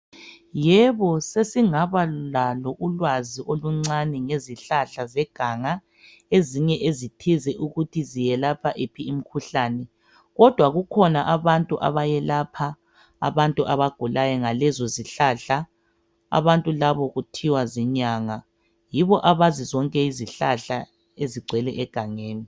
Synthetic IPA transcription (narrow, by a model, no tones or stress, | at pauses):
jɛβɔsesiŋaβaulalɔʔulwaziʔoluŋ͡ǀanɛŋeziɬaɬazɛɡ̥ʱaŋa | eziɲɛʔezitʰizɛʔuɣutʰizijɛlapʰaʔepʰiim̩kʰuɬaːnɛ | ɣɔd̥ʱwaɣukʰɔnaʔaβantʼuʔa̰βajɛlapʰa̰ː | βantʼuʔaβaɡ̥ʱulajɛŋalɛzɔziɬaɬa | a̰βantʼulaβɔɣutʰiwazɛɲaŋa | jiβɔʔaβazizɔŋkʼɛiziɬaɬa | eziɡ͡ǀʱɛlɛʔɛɡ̥ʱaŋeːni